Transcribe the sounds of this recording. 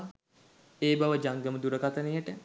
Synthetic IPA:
eːbaʋəd͡ʒaŋɡəməd̪uɾəkat̪ənejəʈə

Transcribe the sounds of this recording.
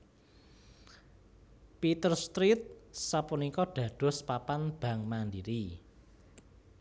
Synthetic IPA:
pit̪ərst̪ɾit̪̚sapunikɔɖ̥ä̤ɖ̥ɔ̤spapanb̥ä̤ŋmandiɾi

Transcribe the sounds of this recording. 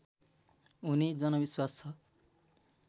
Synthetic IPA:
unid͡zʌnʌbiswast͡sʰʌ

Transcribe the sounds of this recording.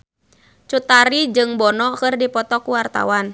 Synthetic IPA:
t͡ʃut̪aɾid͡ʒɨŋbɔnɔkɨrdipɔt̪ɔkuwart̪a̰wan

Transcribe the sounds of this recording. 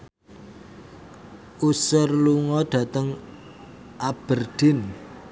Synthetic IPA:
usərluŋɔɖ̥ä̤t̪əŋ | ʔab̥ərd̪̥ɪ̤n

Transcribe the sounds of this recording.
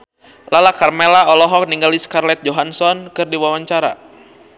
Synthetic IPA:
lalakarmelaɔlɔɦɔk̚niŋɡaliskarlɛt̪̚d͡ʒoɦansɔnkɨrdiwawaɲt͡ʃaɾa̰

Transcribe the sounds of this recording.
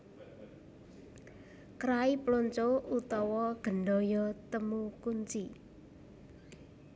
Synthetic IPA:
kɾaiploɲt͡ʃout̪ɔwɔɡ̥ə̤nɖɔjɔt̪əmukuɲt͡ʃi

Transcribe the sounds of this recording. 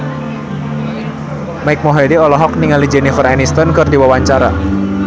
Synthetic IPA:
maɪk̚mɔɦediɔlɔɦɔk̚niŋalid͡ʒɛnifəranist̪ɔnkɨrdiwawaɲt͡ʃaɾa

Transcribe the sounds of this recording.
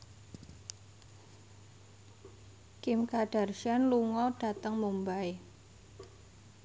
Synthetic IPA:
kɪmkaɖ̥a̤rʃanluŋɔɖ̥a̤t̪əŋmumbae

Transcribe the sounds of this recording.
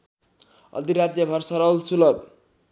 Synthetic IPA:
ʌ̰d̪iɾad̪jʌbʱʌrsʌɾʌlsulʌb

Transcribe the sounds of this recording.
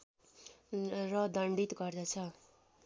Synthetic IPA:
rʌd̪ʌɳɖit̪ɡʌrd̪ʌt͡sʰʌ

